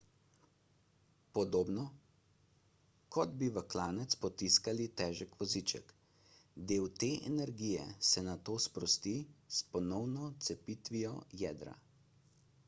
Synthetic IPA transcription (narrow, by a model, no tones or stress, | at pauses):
pɔd̪oːbnɔ | kɔd̪biʋəklaːnɛt̪spɔt̪iskalit̪ɛːʒɛkʋɔzit͡ʃɛ̰k | d̪eːwt̪eːʔɛ̰nɛɾɡijɛ̰sɛnat̪oːspɾɔst̪ispɔnɔwnɔt̪sɛpiːt̪ʋijɔjɛːd̪ɾa̰